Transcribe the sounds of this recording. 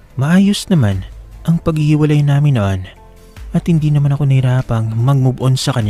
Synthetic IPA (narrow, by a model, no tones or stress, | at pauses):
mɐʔaːjo̞snɐmanʔɐŋpɐɡhihɪwɐlajnaːmɪnɐʔan | ʔɐt̪hɪnd̪iːnɐmanɐko̞nɐhɪɾaːpɐŋmɐɡ̚mubʊʔo̞nsɐkɐɲa